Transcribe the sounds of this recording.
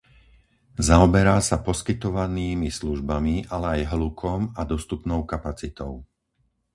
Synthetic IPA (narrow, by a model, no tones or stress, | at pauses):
zaɔbɛɾaːsapɔskit̪ɔʋaniːmisluʒbamiʔalɛajɦlukʰɔmad̪ɔst̪upnɔʊkapat͡sit̪ɔʊ